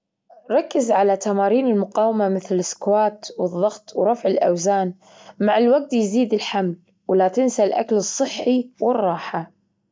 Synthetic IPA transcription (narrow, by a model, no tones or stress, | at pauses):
ɾˤɑkːɪzʕalat̪amaːɾiːnɪlmʊqɑːwmamɪθlɪskwaːt̪wɨðˤːɑɣt̪wɾˤɑfʕɪlʔawzaːn | maʕɪlwaɡ̚t̪jziːd̪ɪlħaml | wlat̪ɪnsalʔa̰klɨsˤːɨħːiwɪrˤːɑːħa